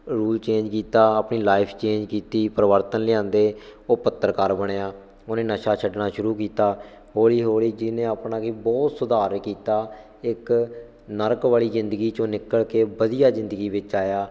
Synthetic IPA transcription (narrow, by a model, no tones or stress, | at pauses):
ɾuːlt͡ʃẽːɲd͡ʒkiːt̪aːaːpɳiːlaːɪpʰt͡ʃeːɲd͡ʒkiːt̪iːpɾəʋəɾt̪ənlɪãːnd̪eːoːpət̪ːəɾkaːɾbəɽ̃eːaː | oːnẽːnəʃaːt͡ʃʰəɖnaːʃʊɾuːkiːt̪aː | ɦoːɽiːɦoːɽiːd͡ʒɪnẽːapnaːɡiːbɔːt̪sʊd̪aːɾkiːt̪aː | ɪk | nəɾəkʋaːɭiːzɪnd̪əɡiːt͡ʃõːnɪkəɭkeːbəd̪ijaːzɪ̃nd̪əɡiːʋɪt͡ʃaːjaː